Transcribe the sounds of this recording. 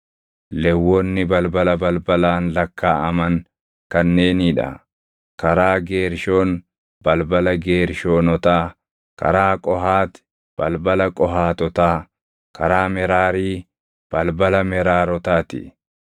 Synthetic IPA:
lɛwːonːɪbɐlbɐlɐbɐlbɐlaːnlɐkʰːaːɐmɐŋ | kɐnːe̞ːniːᶑɐ̰ | kɐɾaːɡeːɾʃo̞ːn | bɐlbɐlɐɡeːɾʃoːnɔt̪aː | kɐ̰ɾaːkʼɔɦaːt̪ | b̥ɐlbɐlɐkʼɔɦaːt̪ɔt̪aː | kɐɾaːmɛɾaːɾiː | b̥ɐlbɐlɐmɛɾaːɾɔt̪aːt̪ɪ̰

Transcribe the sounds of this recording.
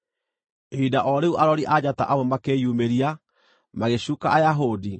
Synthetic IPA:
eidaʔɔɾeuʔaɾɔɾiʔad͡ʑata̰ʔawɔmakejumeɾia | maɣeɕukaajaɦodi

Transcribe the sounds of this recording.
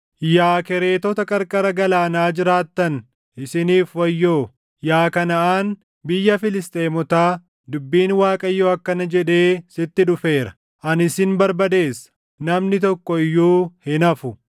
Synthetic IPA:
jaːkɛɾe̞ːt̪ɔt̪ɐkʼɐɾkʼɐɾɐɡɐlaːnaːd͡ʒɪɾaːt̪ːɐn | ʔɪsɪniːfwɐjːoː | jaːkɐnɐʔaːn | bɪjːɐfɪlɪst̪ʼe̞ːmɔt̪aː | d̪ʊbːiːnwaːkʼɐjːoːɐkːɐnɐd͡ʒɛᶑe̞ːsɪt̪ːɪᶑʊfe̞ːɾɐ | ʔɐnɪsɪnbɐɾbɐd̪e̞ːsːɐ̥ | nɐmnɪt̪ɔkːɔɪjːuːhɪnɐfʊ

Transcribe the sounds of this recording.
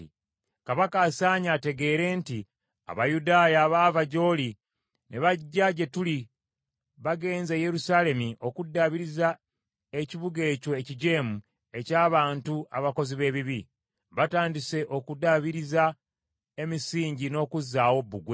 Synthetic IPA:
kaβakaːsaːɲaːte̞ɡe̞ːɾe̞nti | a̰βajudaːjaːβaːvaɟo̞li | neβaɟːaɟe̞tuli | βaɡe̞ːnzeje̞ɾusale̞miʔo̞kudːaβiɾiza | eciβuɡe̞ːco̞eciɟe̞ːmu | e̞caːβaːntua̰βako̞ziβe̞ːβiβi | βataːndise̞ʔo̞kudaβiɾiza | e̞misiːɲɟino̞ːkuzːaːwo̞bːuɡwe

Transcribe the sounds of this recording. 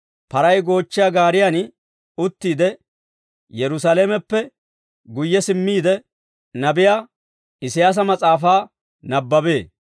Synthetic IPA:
pɐɾɐjɡo̞ːt͡ʃːɪjaɡaːɾɪjan | ʊt̪ːiːd̪ɛ | jɛɾʊsaleːmɛpːɛ | ɡʊjːɛsɪmːiːd̪ɛ | nɐbɪja | ɪsɪjaːs̬ɐmɐt͡sʼaːfaː | nɐbːɐbe̞ː

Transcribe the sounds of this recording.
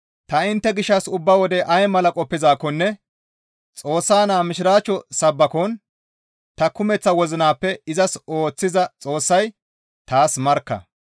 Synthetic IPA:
t̪ɐɪnt̪ːɛɡɪʃːɐsʊbːɐwɔd̪ɛʔɐjmɐlɐkʼɔpːɪzaːkːɔnːɛ | t͡sʼo̞ːsːaːnaːmɪʃɪɾaːt͡ʃːɔsɐbːɐkon | t̪ɐkʊmɛt͡sːɐwɔzɪnaːpːɛɪzɐso̞ːt͡sːɪzɐt͡sʼo̞ːsːɐj | t̪aːsmɐɾkːɐ̰

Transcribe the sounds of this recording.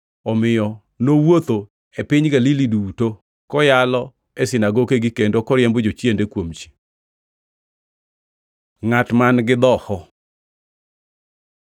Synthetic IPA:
ɔmɪjɔ | nowot̪o | epɪɲɡaliliduto | kɔjalɔ | esɪnaɡokeɡɪkendokɔɾjɛmbod͡ʒot͡ʃjendekwomt͡ʃi̥ | ŋatmanɡɪd̪ɔhɔ

